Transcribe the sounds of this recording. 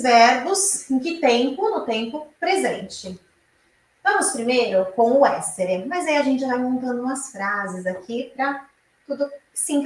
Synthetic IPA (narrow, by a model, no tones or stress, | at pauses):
vɛɾbʊsẽj̃kɪt̪ẽmpʊnʊt̪ẽmpʊpɾezẽnt͡ʃɪ | vɐ̃mʊspɾimejɾʊkõw̃ʊɛst̪eɾɪmɐzaiɐʒẽnt͡ʃɪvamõnt̪ɐ̃nd̪ʊũmɐsfɾazɪzakʰipɾɐ | t̪ud̪ʊ | sẽŋk